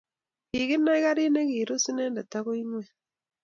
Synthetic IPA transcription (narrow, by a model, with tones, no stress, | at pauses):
ki˨ɣi˦nːa˦i˦ɣa˦ɾi˦ne˦ɣiː˨ɾu˦si˦neː˦nda˨ta˦ɣo˦i˦nwe˦